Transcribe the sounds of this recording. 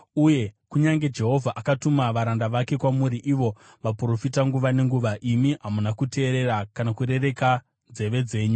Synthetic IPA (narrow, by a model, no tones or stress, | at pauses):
uje̞kuɲaŋɡe̞d͡ʒe̞ɦo̞vʱaʔakatumaʋaɾandaʋake̞kwamuɾiʔiʋo̞ | ʋapuro̞fitaŋɡuʋane̞ŋɡuʋaʔimiɦamunakute̞ːɾe̞ɾakanakure̞re̞ka | nd͡ze̞ʋe̞d͡ze̞ːɲu